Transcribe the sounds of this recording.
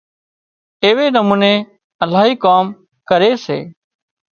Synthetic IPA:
eːʋeːnəmũːneː | əlaːɦiːkaːm | kəɾeːsḛː

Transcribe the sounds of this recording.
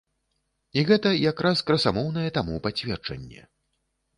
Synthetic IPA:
iɣɛt̪ɐjakɾaskɾɐsamɔwn̪ɐjɛt̪amupat͡sʲvʲɛrd͡ʐɐ̰nʲːɛ̰

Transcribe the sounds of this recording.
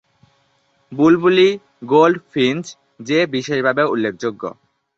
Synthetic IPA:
bulbuli | ɡolɖfʰint͡ɕ | d͡ʑebiʃeʃbʱabeulːekʰd͡ʑoɡːo̰

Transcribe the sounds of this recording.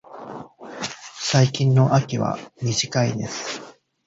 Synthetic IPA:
saikʲĩnːo̞ʔakʲiβa̰mʲiʑikaid̪e̞sɨ̥

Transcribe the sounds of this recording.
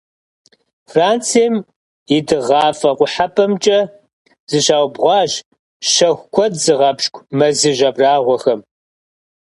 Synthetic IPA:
fraːnt͡sʰiːm | ɪdɨʁɑːfʼɐqʷʊħapʰʼɐmt͡ʃʼɐ | zɨɕaːwbʁʷɑːʒ | ʃɐxʷkʷʰɔdzɨʁɐbʃkʷʰʼmɐzɨʒɐbraːʁʷɔxɐm

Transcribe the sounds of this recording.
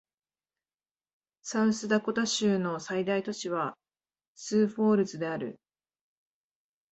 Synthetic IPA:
saɯ̃sɨd̪ako̞t̪aɕɨːno̞said̪ait̪o̞t͡ɕiβa | sɨːɸo̞ːɾɯ̟t͡sɨd̪e̞aɾɯ̟̰

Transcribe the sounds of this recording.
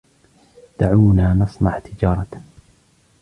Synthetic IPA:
d̪̥aʕuːnaːnɑsˤnɑʕt̪ʰɪd͡ʒɑːɾˤɑ

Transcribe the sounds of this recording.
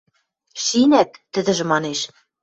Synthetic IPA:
ʃinæt̪ːɘ̆d̪ɘ̆ʒɘ̆mɑneʃ

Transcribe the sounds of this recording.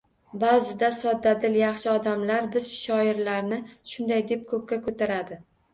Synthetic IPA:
bazɪd̪asɒd̪ːad̪ɪljɑχʃɪɒd̪amlaɾbɪz̥ʃɒɪɾlaɾnɪʃʊnd̪ajd̪ep̚kʰɵp̚ʲkʲakʰɵt̪ʰaɾad̪ɪ

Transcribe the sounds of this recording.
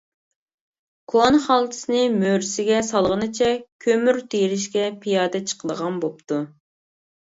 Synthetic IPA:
kʰonχɑlˠt̪ʰɨ̥sɨnɨmøɾsɪɡʲɛsɑlˠʁənɨt͡ʃʰɛkʲʰømyɾt̪ʰejɾɪʃkʲɛpʰijɑːd̪ɛt͡ʃʰə̥qʰəd̪əʁɑnbopt̪ʰu

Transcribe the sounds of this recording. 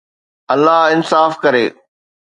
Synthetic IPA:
ɐlːaɦɪnsaːfkɐɾeː

